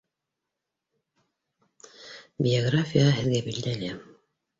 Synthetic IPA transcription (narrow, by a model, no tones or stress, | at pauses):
bʲɪoɡrafʲijɑɦɘ̆ðɡæbild̪ælæ